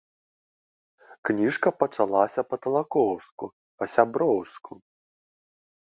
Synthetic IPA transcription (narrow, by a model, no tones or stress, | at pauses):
knʲiʂkɐpɐt͡ʂalˠasʲɐpɐt̪ɐlˠakɔwsku | pɐsʲabɾɔwsku